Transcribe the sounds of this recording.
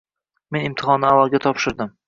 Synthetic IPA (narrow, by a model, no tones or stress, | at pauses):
me̞nɪmt̪ʰɪχɒnːɪavalˠɡʲat̪ʰɒpʃɪɾd̪ɪm